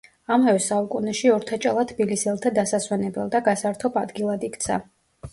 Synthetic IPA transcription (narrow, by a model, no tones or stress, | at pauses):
amavɛsaukʼunɛʃiɔɾt̪ʰat͡ʃʼa̰lˠat̪ʰbilisɛlˠt̪ʰad̪asaswɛnɛbɛlˠd̪aɡasaɾt̪ʰɔbad̪ɡilˠad̪ikʰt̪sʰa̰